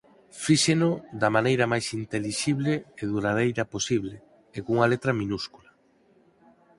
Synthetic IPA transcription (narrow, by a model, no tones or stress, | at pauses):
fiʃenod̪ɐmanejɾɐmajsint̪eliʃiβleeðuɾað̞ejɾɐposiβle | ekuŋalet̪ɾɐminuskula